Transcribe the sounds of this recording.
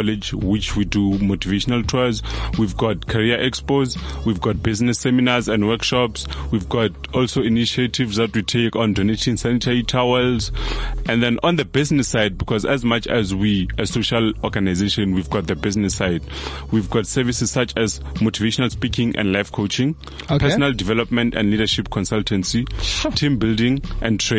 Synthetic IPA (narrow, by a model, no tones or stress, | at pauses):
ɔled͡ʒwit͡ʃʰwidumotʰiveʃɔnaltʰɔzwivɡɔt̚kʰaɹiaʔɛkspozwivɡɔt̚biznɛsːɛminazɛ̃ndwɛkʃɔpswivɡɔtɔlsoiniʃetʰivzðatwitʰekɔ̃ndonetʰĩnsanitʰaɹitʰawɛlzɛ̃nðɛ̃nʔɔ̃ndəbiznisːajd̚bikʰɔzɛzmat͡ʃʰɛ̰zwiɛsoʃalɔɡanajzeʃɔ̃nwivɡɔt̚ðəbiznɛsːajd | wivɡɔtsɛvisisːat͡ʃʰɛz | motʰiveʃɔnalspikʰĩŋʔɛ̰̃ndlajvkʰot͡ʃʰĩŋ | pʰɛsɔnaldivɛlɔpmɛ̃ntɛ̰̃ndlidaʃipkʰɔ̃nsaltʰɛ̃nsitʰĩmbildĩŋʔɛ̃ntʰɹe